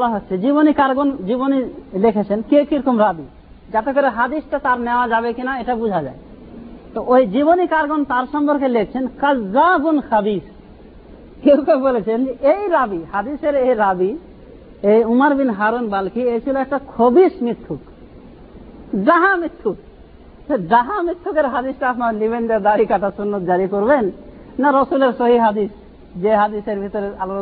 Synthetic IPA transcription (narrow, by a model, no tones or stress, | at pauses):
bɔlaɦotːʰed͡ʑiβonikaɾɡond͡ʑibonilekʰet͡ɕʰenkewkiɾɔkomɾabi | d͡ʒat̪ekɔɾeɦad̪isʈat̪aɾnɛoad͡ʒaβekinaeʈabud͡ʒʱad͡ʒae | t̪ɔʔojd͡ʑibonikaɾɡont̪aɾʃɔmpɔɾkelekʰt͡ɕʰenkɐzːabunxɐbis | kewkabolet͡ɕʰend͡ʒeʔejɾabihad̪iseɾejɾabi | ejumaɾbinɦaɾonbalkiejt͡ɕʰiloɛk̚ʈakʰobiʃmit̪ʰːuk | ɖaɦãmit̪ʰːuk̚ | t̪eɖaɦãmɾit̪ʰːukeɾɦad̪isʈaapnaliβendad̪aɾikatasunːɔt̪̚d͡ʒaɾikoɾbenː | aɾɔsuleɾsoɦiɦad̪is | d͡ʒeɦad̪iseɾbʱit̪ɔɾeal